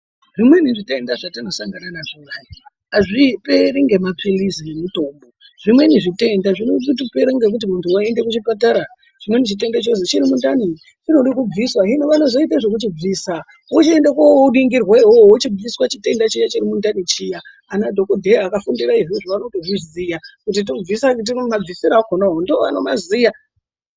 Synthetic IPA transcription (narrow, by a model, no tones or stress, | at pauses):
ʐ̥imwe̞niʐitendaʐatinosaŋɡananaʐijaji | aʐipe̞ɾiŋɡe̞mapilizijemito̞ːmbo̞ | ʐ̥imwe̞niʐite̞ndaʐinotutupe̞ɾiŋɡe̞k̬ut̬imuntʰuwaende̞kut͡ʃipataɾa | ʐ̥imwe̞nit͡ʃit̬e̞ndat͡ʃos̬et͡ʃiɾimundani | t͡ʃinoɗik̬ub͡viswaɦinoʋano̞zo̞it̬aiʐek̬ut͡ʃib͡viːsa | ut͡ʃiendakoouɗiŋɡirwaɦoot͡ʃib͡viswat͡ʃite̞ndat͡ʃijat͡ʃiɾimundanit͡ʃijaː | nadʱokodʱeakafundiɾaiʐiʐiʋanotoʐizijakutit̬ob͡visakt̬imab͡visiɾaɡʱonaɦondoʋa̰no̞mazija